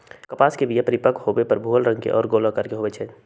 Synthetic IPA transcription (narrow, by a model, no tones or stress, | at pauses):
kəpaːskebʱijəpəɾɪpəkhobepɐɾbʱuːəlɾə̃ŋɡkḛʔɔ̰ːɾɡoːlakɐɾkeɦoːʋet͡ʃʰɛː